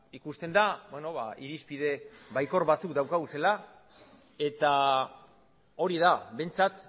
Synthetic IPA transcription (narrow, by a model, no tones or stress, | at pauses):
ikust̪e̞nd̪abweno̞βa̰iɾispið̞e̞βajko̞ɾβat͡sukd̪awkaɣuse̞la | e̞t̪a | o̞ɾiðaβe̞jnt͡sat̪